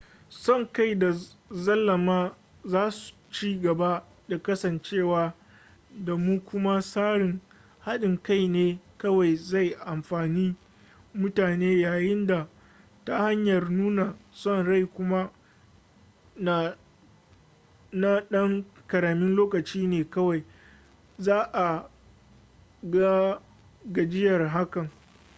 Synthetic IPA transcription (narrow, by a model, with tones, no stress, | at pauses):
sɔ˦˨ŋka˦˨jda˨ | zɐ˦lːɐ˨maː˦ | zaː˦su̥˨t͡ʃiː˦ɡɐ˨ba˦ | da˨kɐ˦sɐ˨nt͡ʃeː˦˨waː˦ | da˨mu˦kʷʊ˦ma˦saː˦ɽɪ˨ŋ | ha˦ɗɪ˨ŋka˦˨jneː˦kɐ˦wa˨jza˦˨jʔa˨mɸaː˨niː˦ | mʊ˦taː˨neː˦jaː˨jɪ˦nda˨ | ta˦ha˦ɲjɐ˨rnuː˦na˨sɔ˦nɽa˦˨jkʷʊ˦ma˦ | na˨ | na˦ɗɐ˦ŋkɐ˨ɾaː˨mɪ˦nloː˦kɐ˨t͡ʃiː˦neː˨kɐ˦wa˨j | zaː˦ʔa˨ | ɡa˦ | ɡa˨d͡ʒɪ˦jɐ˨rɦa˦kɐ˨ŋ